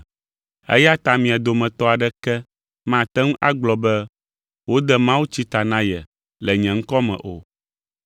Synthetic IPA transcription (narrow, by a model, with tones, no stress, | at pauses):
ɛ̰˦ja˦t̪a˨mĩ˨a˨d̪o˨mɛ̃˨t̪ɔ˦a˨ɖɛ˦kɛ˦ | mã˦˨t̪ɛ˦ŋũ˦ʔa˦ɡ͡blɔ˨bɛ˦ | wo˦d̪ɛ˦mã˦wu˦t͡ɕi˦t̪a˨nã˦jɛ˨ | lɛ˨ɲɛ̃˨ŋ̩˦kɔ˦mɛ̰̃˨ʔo̰˨